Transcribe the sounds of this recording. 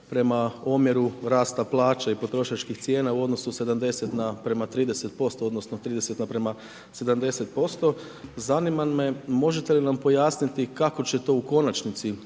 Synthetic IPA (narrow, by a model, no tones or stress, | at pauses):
pɾe̞mao̞mje̞ɾuɾaːst̪aplˠaːt͡ʃaipo̞t̪ɾo̞ʃat͡ʃkixt̪sje̞ːnauo̞d̪no̞suse̞d̪amd̪e̞set̪napɾe̞mat̪ɾiːd̪ese̞t̪̚po̞st̪o̞od̪nosnot̪ɾiːd̪eset̪napɾema | se̞d̪amd̪e̞se̞t̪̚po̞st̪o̞ | zanimanme̞mo̞ʒet̪e̞linampo̞jaːsnit̪ikako̞t͡ɕe̞t̪o̞uko̞nat͡ʃnit̪si